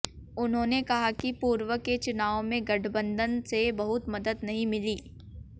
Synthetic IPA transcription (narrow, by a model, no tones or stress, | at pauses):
ʊnɦõːnekɐɦakipuːɾʋəket͡ʃʊnaːõmẽɡɐʈʰbə̃nd̪ʱənsebɐɦʊt̪mɐd̪əd̪nɐɦĩmɪliː